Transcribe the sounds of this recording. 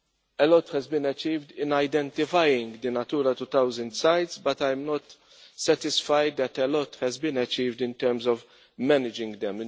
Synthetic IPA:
ɛlɔt̪hɛzbɪ̃nɛt͡ʃiːvd̪ɪ̃nɐjd̪ɛ̃nt̪ɪfajɪ̃ŋɡd̪ɪnɐt̪uːɾɐt̪ut̪ɐwzə̃nd̪sajt̪sbɐt̪ajmnɔt̪ | sɛt̪ɪsfajd̪̚d̪ɛt̪ɛlɔt̪hɛzbĩnɛt͡ʃiːvd̪ɪ̃nt̪ɛɾmzɔv | mɛnɪd͡ʒɪ̃ŋɡd̪ɛ̃m

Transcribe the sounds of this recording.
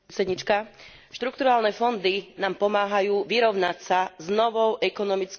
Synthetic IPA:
ɛd̪ɲit͡ʃka | ʃt̪ɾuk̚t̪uɾaːlnɛfɔnd̪inaːmpɔmaːɦajuːʋiɾɔʊnacsaznɔʋɔʊʔɛkɔnɔmit͡sk

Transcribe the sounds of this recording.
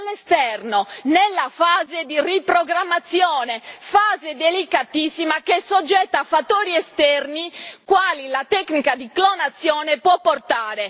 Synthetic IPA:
alːest̪ɛrnonelːafaːzed̪iripɾoɡɾamːat̪sːjɔːnefaːzed̪elikat̪isːimakesod͡ʒːɛt̪ːaːfat̪ːoːɾiɛst̪ɛrnikwaːlilat̪ɛknikad̪iklonat̪sːjɔːnepwɔpːort̪aːɾe

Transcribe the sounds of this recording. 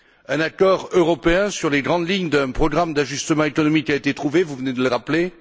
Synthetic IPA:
ɛ̃nakɔʁøʁɔpeɛ̃syʁleɡʁɑ̃d̪liɲd̪ɛ̃pχɔɡʁamd̪aʒyst̪əmɑ̃ekɔnɔmikːaet̪et̪χuvevuvəned̪ələʁaple

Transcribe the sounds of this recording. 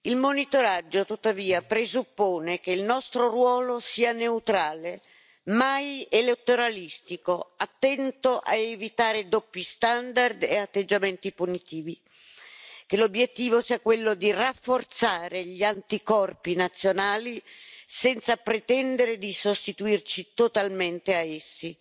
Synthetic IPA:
ilmonit̪oɾad͡ʒːot̪ut̪ːaviːapɾezupːoːnekeilnɔst̪ɾorwɔːlosiːaneut̪ɾaːle | majelet̪ːoɾalist̪ikoat̪ːɛnt̪oʔa̰evit̪aːɾed̪opːjist̪and̪ard̪eat̪ːed͡ʒːament̪ipunit̪iːvi | kelobːjet̪ːiːvosiːakwelːod̪irafːort̪saːɾeʎiant̪ikɔrpinat̪sːjonaːlisɛnt̪sapɾet̪ɛnd̪eɾed̪isost̪it̪uirt͡ʃit̪ot̪alment̪eaesːi

